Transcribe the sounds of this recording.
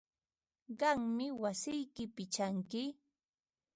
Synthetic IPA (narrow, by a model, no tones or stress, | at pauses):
ɢɑŋmɪwasɪjkɪpɪt͡ʃaŋkɪ